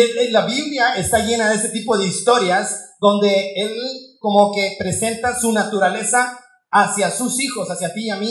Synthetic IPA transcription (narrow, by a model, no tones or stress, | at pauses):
elelːaβiβljae̞st̪aʝe̞naðeset̪ipo̞ð̞e̞ist̪o̞ɾjazd̪o̞nd̪e̞e̞lko̞mo̞ke̞pɾe̞se̞nt̪asunat̪uɾale̞saː | sjasusixo̞sasjat̪iami